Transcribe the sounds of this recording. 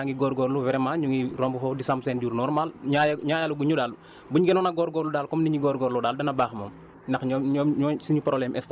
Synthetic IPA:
aŋɡiɡɔːɾɡɔɾluwɛɾɛmaɲuŋirɔmbufɔːdisamsɛːnɟuːɾnɔrmaːlɲajɲaːjaluɡuɲudaːl | buɲɡɛnɔnaɡɔɾɡɔɾludaːlkɔmniɲiɡɔɾɡɔːɾlɔdaːldɐnɐbaːxmɔ̰ːm | nɐxɲɔɲɔːɲɔsiɲupɾɔlɛmʔɛsta

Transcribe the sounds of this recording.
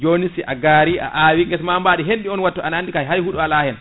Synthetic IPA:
d͡ʒonisiʔa̰ɡaːɾia̰ʔaːwiŋɡɛsmambaːɗiɦenɗiɔnwatːɔʔanandikajɦajhuɗualaːhɛn

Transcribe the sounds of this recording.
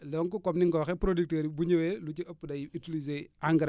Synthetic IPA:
lɔŋkukɔmniŋkɔxepɾodik̚teɾibuɲewelut͡ʃiɐpːudajiitilizeaŋɡɾ

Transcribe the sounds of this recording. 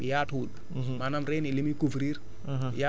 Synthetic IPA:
ijaʈud | manamɾenilimikuvɾiɾ | ja

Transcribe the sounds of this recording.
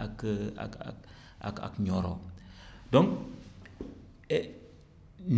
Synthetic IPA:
aka̰ka̰ | a̰ka̰kɲoɾo̰doŋ | n

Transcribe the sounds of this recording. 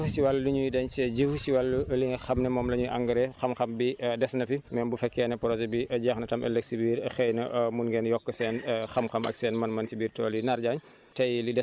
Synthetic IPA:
siwalːliɲujdɛɲt͡ʃɛɟəfsiwalːuliŋɡɐxɐmnɛmɔːmlɐɲuʔa̰ŋɡɐɾɛxɐmxɐmbidɛsnɐfimɛbufɛkːɛːnɛpɾɔzɛbiʔɐɟɐxnɐtɐmɛ̰lːɛksibiːɾxɛjnɐʔmunɡɛnjɔkːɐsɛːnxɐmxɐmɐ̰k̚sɛːnmɐnmɐnsibiːrtɔːlinaɾɟaɲ | tɐjlidɛ

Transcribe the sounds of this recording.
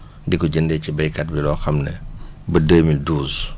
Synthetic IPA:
dikɔɟəndɛcibɐjkɐt̚bilɔːxɐmnɛbɐdəːmilduːs

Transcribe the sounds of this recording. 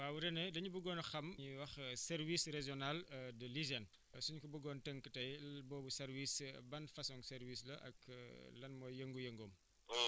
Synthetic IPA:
waːwuɾɛnɛdɐɲubuɡɔːnxɐmɲiwɐxsɛɾwisreʒɔnaldɐlizɐn | suɲkɔbuɡɔntɛŋkːətɐjbɔːbusɛɾwisbɐnfɐsɔŋsɛɾwislɐ̰ʔɐ̰klɐnmɔːjjəŋɡujəŋɡom

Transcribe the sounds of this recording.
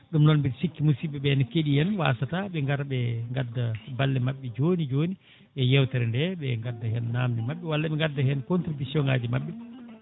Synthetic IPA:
ɗumnɔnbiɾsikːimusibɛɓɛnkeɗijɛnwa̰ːsataɓɛŋɡaɾɓɛŋɡadːabalːɛmaɓːɛd͡ʒoːnid͡ʒoni | ɓɛjɛwtɛɾɛndɛɓɛŋɡadːahɛnːaːmnɛmaɓːɛwalːaɓɛŋɡadːahɛnkontɾibisjɔŋaːd͡ʒimaɓːɛ

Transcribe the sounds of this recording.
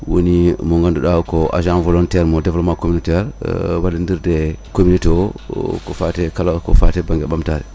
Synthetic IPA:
wo̰nimoŋɡanduɗawkoʔa̰ʒãnvolonteɾmodevlomakominoteɾwalindiɾdekominitokofatekalako̰fatebaŋɡeɓamtaɾḭ

